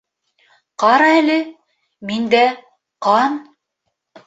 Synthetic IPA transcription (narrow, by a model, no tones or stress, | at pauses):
qɑɾɑælɘ | mind̪æ | qɑn